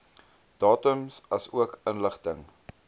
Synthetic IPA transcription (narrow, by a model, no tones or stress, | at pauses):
d̥ɑːtəmsɐsuəkənləχtəŋ